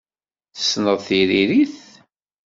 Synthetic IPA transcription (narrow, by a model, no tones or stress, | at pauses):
θə̥sːnəðˤθiɾiɾiθ